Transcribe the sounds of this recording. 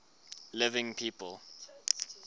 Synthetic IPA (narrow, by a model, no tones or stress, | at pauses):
lɪvɪ̃ŋpʰiːpəlˠ